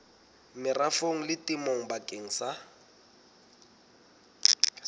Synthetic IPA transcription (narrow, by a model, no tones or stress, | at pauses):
mɪrafoŋ̩lɪtɪmoŋ̩bakʼeŋ̩sa